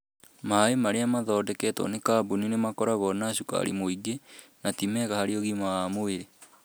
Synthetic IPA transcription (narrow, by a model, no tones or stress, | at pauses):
maaemaɾeamaðɔːdɛkɛtɔ̰nekaːbuninemakɔɾaɣɔnaʃuka̰ɾḭmoiɡenatimɛɣahaɾeoɣimaamoeɾe